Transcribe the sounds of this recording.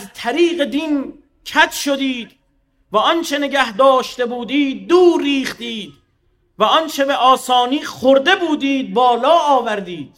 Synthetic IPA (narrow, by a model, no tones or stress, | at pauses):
æzt̪ʰæɾiːɢe̞d̪in | kʰæt̪ʰʃod̪iːd̪̥ | væɒnt͡ʃʰe̞ne̞ɡæhd̪ɒːʃt̪e̞buːd̪iːd̪̚ːuːɾːiːχt̪iːd̪ | væɒnt͡ʃʰe̞be̞ʔɒːsɒːniːχoɾd̪e̞buːd̪iːd̪̚bɒːlɒːɒːvæɾd̪iːd̪̥̚